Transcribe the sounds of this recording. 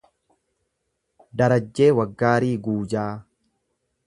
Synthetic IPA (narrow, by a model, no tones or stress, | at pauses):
d̪ɐɾɐd͡ʒːe̞ːwɐɡːaːɾiːɡuːd͡ʒaː